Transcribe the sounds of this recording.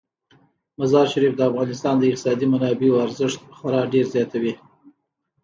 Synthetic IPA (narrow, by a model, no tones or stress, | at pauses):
mazɑɾʃaɾifd̪əafɣɑnɪst̪ɑnd̪əɪq̚t̪ɪ̥sɑd̪imanɑbeoaɾzəʂt̪̚xaɾɑɖeɾzjɑt̪awi